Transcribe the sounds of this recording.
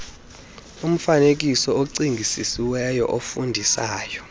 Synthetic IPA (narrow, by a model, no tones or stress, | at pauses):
um̩fanek̬isɔoǀiŋɡʱisisiwɛjɔ̰ʔofundʱisaːjɔ